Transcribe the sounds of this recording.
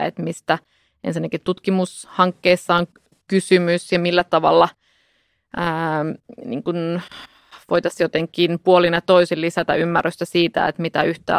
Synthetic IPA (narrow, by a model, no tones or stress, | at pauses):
ḛt̪mist̪æ | ʔensinːækit̪t̪ut̪kimushɑŋkːeːisːɑoŋ | kysymysjɑmilːæt̪ɑʋɑ̰lːɑ | əːnḭːŋkun | ʋoit̪ɑsjot̪eŋkːinpuolinjɑt̪oisillisæt̪æ̰ymːærːøst̪æsiːt̪æ̰ḛt̪mit̪æyht̪æ̰ː